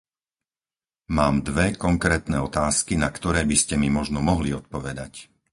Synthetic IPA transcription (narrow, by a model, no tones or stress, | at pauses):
maːmd̪ʋɛkɔŋkɾɛːt̪nɛɔt̪aːskinakt̪ɔɾɛːbiscɛmimɔʒnɔmɔɦliɔt̪̚pɔʋɛd̪a̰c